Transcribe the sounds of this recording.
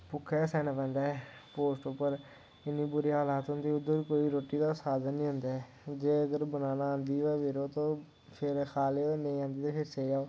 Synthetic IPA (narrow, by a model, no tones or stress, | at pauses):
pʊkʰːɛːsɛːnapɛ̃ːnd̪aːɛ | poːsʈopːəɾ | ɪnːiːbʊɾiaəlaːt̪ɦʊ̃nd̪iːʊd̪ːəɾkoːiːɾoːʈːiːd̪aːsaːd̪ənːĩːɦʊ̃nd̪aːɛ | d͡ʒeːəɡəɾbənaːnaːãːnd̪iːʋɛːʋeːɾoːt̪õː | pʰɪɾxʰaːleːeːnəĩːãːnd̪iːt̪epʰɪɾseːd͡ʒaːoː